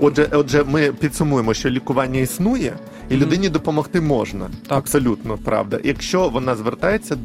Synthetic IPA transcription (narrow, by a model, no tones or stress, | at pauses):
ɔdʒɛʔɔdʒɛmɪpʲid̪sʊmujemɔʃt͡ʃɔlʲikʊʋɑnʲːɐisnujɛ | ilʲʊd̪ɪnʲid̪ɔpɔmɔxt̪ɪmɔʒnɐ̰ɐpsɔlʲut̪nɔpɾɑ̰ʋd̪ɐ̰jɐkʃt͡ʃɔʋɔnɑzʋert̪ɑjet͡sʲːɐ